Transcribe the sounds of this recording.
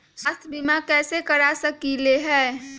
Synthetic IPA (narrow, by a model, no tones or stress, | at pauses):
sast̪ʰbimakɛːsekəɾasəkileɦɛː